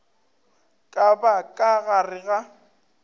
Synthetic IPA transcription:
kʼabakʼaɣarɪɣa

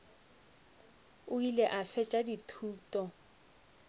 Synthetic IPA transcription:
ʊileʔafɛt͡ʃʼaditʰuːtʼɔ

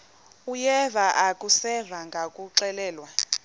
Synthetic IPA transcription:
ujɛvaʔakʼusɛvaŋɡʱakʼuǀɛlɛːlwa

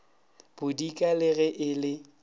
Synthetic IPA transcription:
b̥ʊdikʼalɪɣɛʔɪlɪ

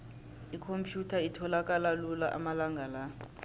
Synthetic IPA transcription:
ikʰompʰjutʰaitʰɔlakʼalalulaʔa̰malaŋɡʱala

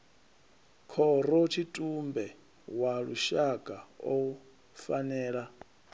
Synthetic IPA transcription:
kʰɔɾɔtʰitʼumbɛ | waɺuʃaɡʼao | fanɛːɺa

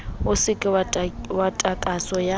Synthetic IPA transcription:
ʊsɪkʼɪwatʼakʼasɔja

